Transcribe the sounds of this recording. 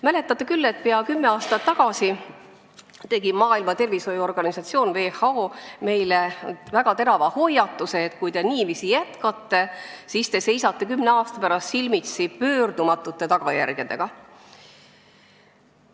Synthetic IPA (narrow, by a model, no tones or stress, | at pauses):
mæle̞t̪ːˑɑt̪ːˑe̞kylːe̞t̪̚peɑkymːe̞ɑːst̪ɑt̪ːɑɡ̥ɑsi | t̪e̞ɡ̥imɑːilmɑt̪e̞rviso̞juo̞rɡ̥ɑnisɑt̪sio̞ːnve̞ːhɑoːme̞jlevæɡ̥ɑt̪e̞ɾɑvɑho̞jɑt̪ːˑuse̞ːt̪kujt̪e̞ninimisijæt̪kɑt̪ːe̞sist̪e̞se̞jsɑt̪ːe̞kymneɑːst̪ɑpæɾɑst̪silmit̪sipø̞ːrd̪̥umɑt̪ːˑut̪ːe̞t̪ɑɡ̥ɑjæ̰rɡ̥e̞d̪e̞̰ɡ̥ɑ